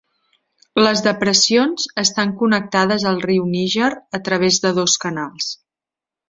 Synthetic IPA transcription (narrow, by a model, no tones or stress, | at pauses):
ləzðəpɾəsionz̥əst̪aŋkunək̚t̪aðəzəlˠriwniʒəɾət̪ɾəβ̞ezðəðoskənalˠs